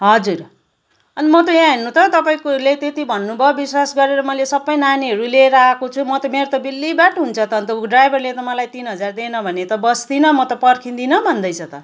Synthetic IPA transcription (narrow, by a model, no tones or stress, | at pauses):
ɦʌd͡zur | ʌnimʌt̪ʌjãɦenːut̪ʌt̪ʌpaĩkolet̪et̪ibʱʌnːubʱʌbiswasɡʌɾeɾʌmʌlesʌbːʌjnaniɦʌɾuleɾakot͡sʰumʌt̪ʌmeɾot̪ʌbilːibaʈɦunt͡sʰʌt̪ʌnt̪ʌɖrajbʱʌrlet̪ʌmʌlajt̪inɦʌd͡zard̪enʌbʱʌnet̪ʌbʌst̪inʌmʌt̪ʌpʌrkʰind̪inʌbʱʌnd̪ʌjt͡sʰʌt̪ʌ